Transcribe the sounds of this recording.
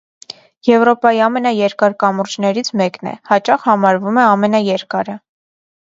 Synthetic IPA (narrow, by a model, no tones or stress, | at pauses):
jɛvɾɔpɑjiɑmɛnɑjɛɾkɑɾkɑmuɾd͡ʒnɛɾit͡sʰmɛknɛ̰hɑt͡ʃɑχhɑmɑɾvumɛɑmɛnɑjɛɾkɑɾə